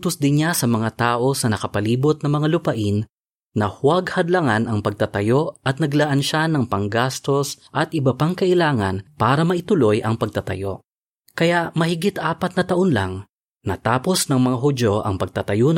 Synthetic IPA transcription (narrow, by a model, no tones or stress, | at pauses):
t̪ʊsd̪ɪnɲasɐmɐŋat̪aːʔo̞sɐnɐkɐpɐliːbot̪̚nɐŋmɐŋalʊpɐʔɪnː | ɐhwaɡhɐd̪lɐŋanʔɐŋpɐɡ̚t̪at̪ɐjo̞ʔɐt̪̚nɐɡlaʔanʃanɐŋpɐŋɡast̪o̞sʔɐt̪ʔɪbɐpaŋkɐʔɪlaːŋɐ̰npaːɾɐmɐʔɪt̪ʊlo̞jʔɐŋpɐɡ̚t̪ɐt̪ɐ̰jo̞̰ | kɐjaʔmɐhɪɡɪt̪ʔaːpɐt̪nɐt̪ɐʔonla̰ŋ | nɐ̰t̪aːpo̞snɐŋmɐŋaɦʊd͡ʒo̞ʔɐ̰ŋpɐɡ̚t̪ɐt̪ɐju